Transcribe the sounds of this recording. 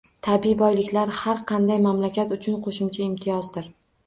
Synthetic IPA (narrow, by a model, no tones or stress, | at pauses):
t̪ʰabibɒjlɪkʲlaɾhaɾqʰɑnd̪ajmamlakʲat̪ʊt͡ʃʰʊnqʰoʃʊmt͡ʃʰaɪmt̪ʰɪjɒzd̪ɪɾ